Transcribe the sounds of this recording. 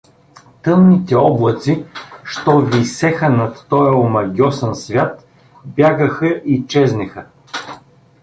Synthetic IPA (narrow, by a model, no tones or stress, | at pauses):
t̪ɤmnit̪ɛɔblˠət̪siʃt̪ɔvisɛxənɐt̪ːɔjəomɐɡʲɔsɐnsvʲjat̪ | bʲjaɡəxɐʔit͡ʃɛznɛxə